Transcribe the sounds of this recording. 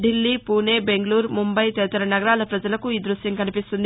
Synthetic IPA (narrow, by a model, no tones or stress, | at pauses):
ɖilːiːpuːne̞ːbe̞ŋɡɐluːɾmumbɐjt̪ɛʋɐt̪ɐɾɐnɐɡɐɾaːlɐpɾɐd͡ʒɐlɐkuiːd̪ɾusjɐŋkɐnipist̪und̪i